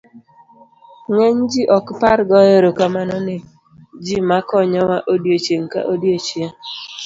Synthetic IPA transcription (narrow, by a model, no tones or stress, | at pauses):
ŋɛɲd͡ʒiʔɔkpaɾɡɔjeɾokamanɔnɪ | d͡ʒimakɔɲɔwaʔodjot͡ʃeŋka̰ʔodjot͡ʃje